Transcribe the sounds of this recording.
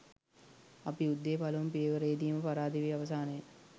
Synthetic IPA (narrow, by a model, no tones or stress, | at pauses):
ɐpiud̪ːeːpɐlɐʋumpijəʋəɾeid̪iːməpaɾaːd̪iʋiaʋɐs̬aːnɐjə